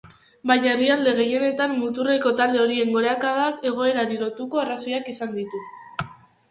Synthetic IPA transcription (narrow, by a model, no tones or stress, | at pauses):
bajɲae̞riald̪e̞ɣ̞e̞je̞ne̞t̪anːut̪ure̞ko̞t̪ald̪e̞o̞ɾie̞ŋɡo̞ɾeakað̞ake̞ɣ̞o̞e̞ɾaɾilo̞t̪uko̞araso̞jakisand̪it̪u